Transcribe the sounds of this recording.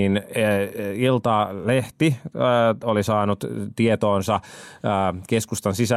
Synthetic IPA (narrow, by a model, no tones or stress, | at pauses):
in | ilt̪ɑleht̪i | olisɑːnut̪t̪iet̪oːnsɑː | keskust̪ɑnsisæ